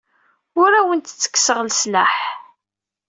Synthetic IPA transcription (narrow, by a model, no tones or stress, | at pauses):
ʊɾæwənt̪t͡sːə̥kːsəʁlslaħ